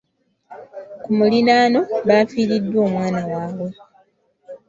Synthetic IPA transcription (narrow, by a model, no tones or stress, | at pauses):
kumulinaːno̞βaːfiːɾidːwo̞ːmwaːnawaːβwe̞